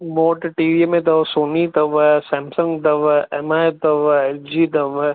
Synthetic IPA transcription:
moːʈʈiːʋiəmẽt̪ɐʋsoːnit̪ɐʋsɛːmsəŋɡt̪ɐʋemat̪ɐʋd͡ʒiːt̪ɐʋ

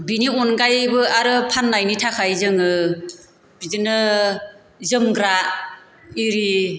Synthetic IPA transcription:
biniɔnɡajbɯaɾɯpʰanːajnitʰakʰajzɯŋɯ | b̥izɯnɯ | zɯmɡɾa | iɾi

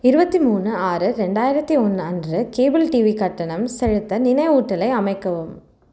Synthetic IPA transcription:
ɪɾɯbɐt̪ːimuːnːɯaːɾɯɾɛɳɖaːjɪɾɐt̪ːiɔnːɯɐndrɯkeːbɪlʈiːʋikɐʈːɐɳɐmsɛɻɯt̪ːɐnɪnɐɪuːʈːɐlɐɪɐmɐɪkːɐʋɯm

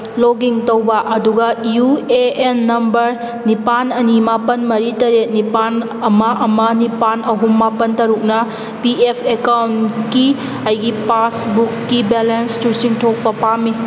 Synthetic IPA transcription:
loɡiŋtɐwbɐʔɐduɡɐjueʔenːɐmbɐɾ | nipanɐnimapɐnmɐɾitɐɾet̚nipan | ɐmɐʔɐmɐnipanɐɦumːapɐntɐɾuk̚nɐ | piepʰekawntki | ɐjɡipasbukːibelenstusiŋtʰok̚pɐpami

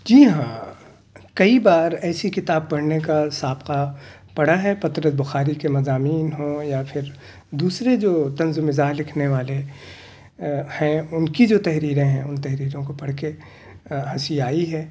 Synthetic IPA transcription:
d͡ʒiːɦãː | kɐibaːɾɛːsikɪt̪aːb̚pɐɽnekasaːbqa | pɐɽ̤aɦɛpɐt̪ɾəsbʊxaːɾikemɐzaːmiːnɦõjapʰɪɾ | d̪uːsɾed͡ʒoːt̪ɐ̃nzʊmɪzaːɦlɪkʰneʋaːle | hɛ̃ʊnkid͡ʒoːt̪ɛɦɾiːɾẽɦɛ̃ʊnt̪ɛɦɾiːɾõkopɐɽke | ɦɐsiaːiɦɛː

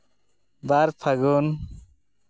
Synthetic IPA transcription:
baɾpʰaɡon

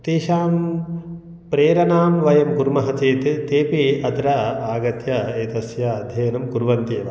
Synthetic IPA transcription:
t̪eːʃaːm | pɾeːɾɐnaːmʋɐjɐmɡuɾmɐɦɐt͡ʃeːt̪t̪eːpiɐd̪ɾaaːɡɐt̪jɐeːt̪ɐsjaːd̪ʱjɐjnɐmkuɾʋɐnt̪eːʋɐ

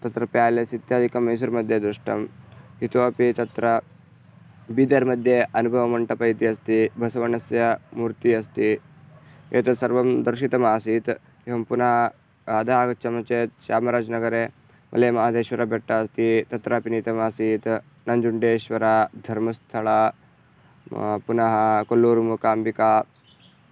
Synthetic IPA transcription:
t̪ɐt̪ɾɐpjaːlesit̪jaːd̪ikɐmɐjs̬uɾmɐd̪ʱjed̪ɾuʂʈɐ̰mɦit̪oɐpit̪ɐt̪ɾɐ | bid̪ɐɾmɐd̪ʱjeʔɐnubʱɐʋɐmɐɳʈɐpɐjt̪iɐst̪ibʱɐsɐʋɐnɐsjɐmuːɾt̪iɐst̪i | eːt̪ɐsɐɾʋɐmd̪ɐɾʂit̪ɐmaːsiːt̪ | eɐmpuna | ɐd̪aɦakt͡ʃɐmɐt͡ʃet͡ʃaːmɾaːd͡znɐɡəɾe | mʔɐ̰lemɐad̪eɕʋɐɾabʱeʈːaɐst̪it̪ɐt̪ɾapinit̪ɐmaːsiːt̪ | nɐɲd͡ʒuɳɖeːɕʋɐɾad̪ʱɐɾmɐst̪ʰɐɭa | punɐɦakolːuːɾmukaːmbika

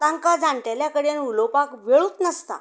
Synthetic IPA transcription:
t̪ãŋkad͡zaɳʈeljakəɽenulopakʋeɭuːt̪nəst̪a̰

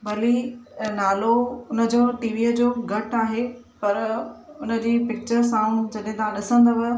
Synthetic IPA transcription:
bɐlinaːloʊnə̆d͡ʑoːʈiːʋiːəd͡ʑoːɡʱɐʈaːɦe | pɐɾʊnə̆d͡ʑiːpɪk̚t͡ɕəɾsãːũd͡ʑɐɗɦɪ̃t̪ʰãɗɪsə̃nd̪əʋə

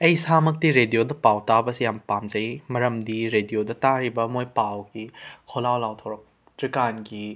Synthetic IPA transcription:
ɐjsamɐk̚tiɾediodɐpawtabɐsijampamzɐjmɐɾɐmdiɾediodɐtaɾibɐmojpawɡikʰolawlawtʰɐwɾɐk̚ | tɾikanɡi

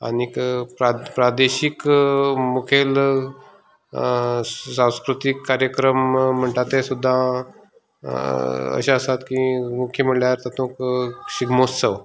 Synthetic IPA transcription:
a̰nikpɾapɾad̪eɕikmukʰel | sãw̃skɾut̪ikːaɾjəkɾəm̤ːəɳʈat̪esud̪ʱːã | ə̰ɕaəsat̪kĩmukʰjəm̤əɳljaɾt̪at̪ʰõkɕiɡmossəw

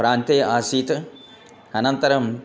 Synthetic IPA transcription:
pɾaːnt̪eːʔaːsiːt̪ɐ | ɐnɐnt̪ɐɾɐm

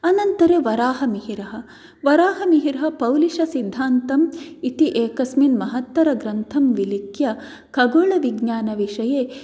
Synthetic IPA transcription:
ɐnɐnt̪ɐɾeʋɐɾaːɦɐmiɦiɾɐɦɐ̆ | ʋɐɾaːɦɐmiɦiɾɐɦɐpɐwliʃɐsind̪ʱaːnt̪ɐmit̪iʔeːkɐsminmɐɦɐt̪ʋɐɾɐɡɾɐnt̪ʰɐmʋilikjɐ | kɐɡoːɭɐʋiɡɲaːnɐʋiʂɐjeː

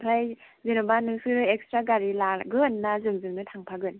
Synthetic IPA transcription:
pʰɾaj | zenɯbanɯŋsɯɾɯekstɾaɡaɾilaɡɯnːazɯŋzɯŋnɯtʰaŋpʰaɡɯn

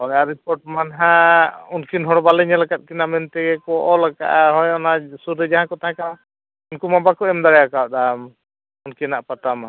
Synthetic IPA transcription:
ɔjaɾipɔɾʈ̚manɦãunkinɦɔɽɔbalɛɲalakat̪̚kinamɛnt̪ɛɡɛkɔʔɔlaka̰ʔaɦɔjɔnasuɾɛd͡ʒaɦãkɔt̪aɦãkaw | unkumabakɔɛmd̪aɾɛjakawd̪am | unkinaʔpat̪ama

